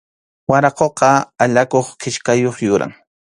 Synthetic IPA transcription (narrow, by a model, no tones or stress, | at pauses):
waɾɑqoqɑaʎakoχkɪʃkajoχjʊɾa̰ŋ